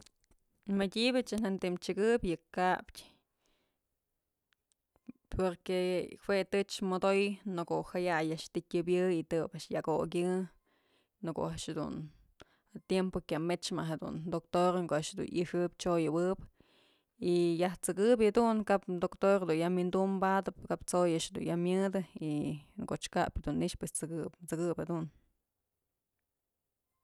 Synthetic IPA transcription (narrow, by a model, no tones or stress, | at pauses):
madʲibat͡ʃanant̪imt͡ʃɨɡɨpjɨkaptʲ | peɾkehwet̪ɨt͡ʃmod̪ojnokohajajaʔʂt̪ɨtʲɨbjɨit̪ɨbaʔʂjako̰k̬ʲɨ | nɨko̰ʔaʔʃhed̪ṵn | at̪jempokʲamet͡ʃmaʔɦed̪ṵnd̪ok̚t̪oɾŋkoʔaʔʂhed̪ṵnḭʂɨpt͡ʃojɨwɨp | ijaht͡sɨkɨbed̪uŋkap̪̚d̪okt̪oɾhed̪unjamind̪umbad̪ɨpkapt͡sojaʔʃhed̪ṵnjamjɨd̪ɨikoʔt͡ʃka̰phed̪unːiʔt͡ʃpwest͡sɨkɨpt͡sɨkɨphed̪un